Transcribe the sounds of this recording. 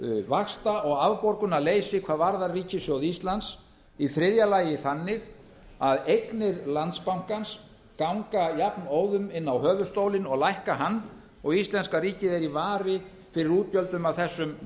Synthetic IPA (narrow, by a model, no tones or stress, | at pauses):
vaxst̪aɔɣavpɔɾkʏnaleːjsɪkʰvaːðvaɾðariːcɪsjowðist̪lant̪s | iθɾɪðjalaːjɪθanːɪɣ | aðejknɪɾlant̪spawŋ̥kans | kawŋkajapnoːwðʏmɪnːawɦœːvʏ̥st̪owlɪnɔɣlajhkaɦanː | ɔɣist̪lɛnskariːcɪðɛɾivaːɾɪ | fɪɾɪɾuːt̪jœlt̪ʏmavθɛsːʏm